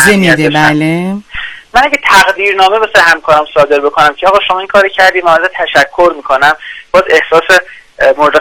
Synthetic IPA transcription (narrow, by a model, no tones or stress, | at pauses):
zemid̪ebæle | mænæɡet̪ʰæɣd̪iːɾnɒːmebesɒɾehæmkʰɒːɾæmsɒːd̪e̞ɾbe̞kʰonæmcʰeɒːɣɒːʃo̞mɒːinkʰɒːɾocʰæɾd̪iːmænzet̪ʰæʃækʰːoɾmiːkʰo̞næmb̥ɒːze̞hsɒːsemoɾed̪e